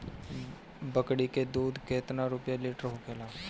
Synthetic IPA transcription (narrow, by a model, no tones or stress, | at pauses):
bəkɽiked̪uːd̪keːt̪naɾʊpjalɪːʈəɾɦokʰeːlaː